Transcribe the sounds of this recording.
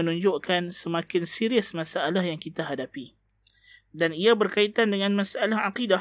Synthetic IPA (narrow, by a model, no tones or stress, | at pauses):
ənũɲd͡ʒʊʔkansəmakɪnsiɾiʊsmãsaːlahjaŋkit̪aɦadapi | daniabərkait̪andəŋãnmãsaʔalahaqida